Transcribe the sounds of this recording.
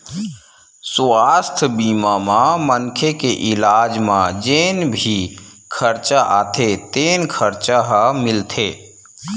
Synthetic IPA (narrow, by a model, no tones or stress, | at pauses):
swaːst̪ʰbiːmamãmənkʰekeʔɪlaːd͡ʒmãd͡ʒeːnbʱi | kʰəɾt͡ʃaʔaːt̪ʰet̪eːnkʰəɾt͡ʃaɦamɪlt̪ʰeː